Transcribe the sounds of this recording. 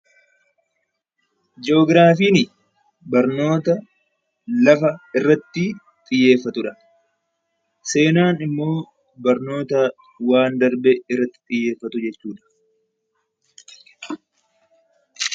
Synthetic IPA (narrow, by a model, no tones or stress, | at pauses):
d͡ʒo̞ːɡɾaːfiːnɪ | bɐɾno̞ːt̪ɐ | lɐfɐɪrːɐt̪ːɪ | t̪ʼɪjːe̞ːfːɐt̪ʊᶑɐ | se̞ːnaːnɪmːo̞ː | bɐɾno̞ːt̪ɐ | waːnd̪ɐɾbɛɪrːɐt̪ːɪ̥t̪ʼɪjːe̞ːfːɐt̪ʊd͡ʒɛt͡ʃːuːᶑɐ̥